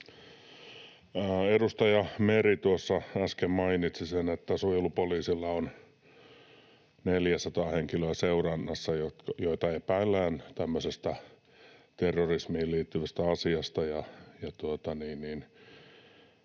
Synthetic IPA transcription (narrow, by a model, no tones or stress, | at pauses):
əːedust̪ɑjɑmerit̪uosːɑɑskemmɑinit̪sisenet̪ːæsujulupoliːsilːɑon | neljæsɑt̪ɑːheŋkiløːseurɑnːɑsːɑjot̪kɑjoit̪ɑeipæːlːæːnt̪æmːøsest̪æ | t̪erːorismihːliːt̪ːyʋæst̪æɑsiɑst̪ɑjɑjɑt̪uot̪ɑniːnniːn